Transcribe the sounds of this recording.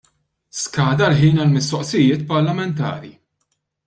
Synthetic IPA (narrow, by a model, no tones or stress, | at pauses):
skɐːd̪ɐlħiːnɐlmɪst̪ɔʔsɪjɪːt̪̚pɐɾlɐmɛnt̪ɐ̰ːɾi